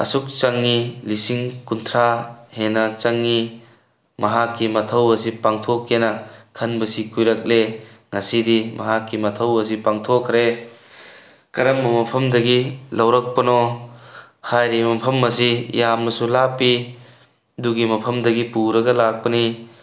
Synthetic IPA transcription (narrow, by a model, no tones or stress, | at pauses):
ɐ̰suk̚t͡ʃɐŋːilisiŋkunt̪ʰɾahenɐt͡ʃɐŋːi | mɐɦakːimɐt̪ʰɐwɐs̬ipaŋt̪ʰokːenɐkʰɐnbɐsikujɾɐk̚le | nasidimɐɦakːimɐt̪ʰɐwɐs̬ipaŋtʰokʰɾe | kɐɾɐmːɐmɐpʰɐmdɐɡilɐwɾɐk̚pɐnɔ | hajɾimɐpʰɐmːɐsijamnɐsulapːi | duɡimɐpʰɐmdɐɡipuɾɐɡɐlak̚pɐni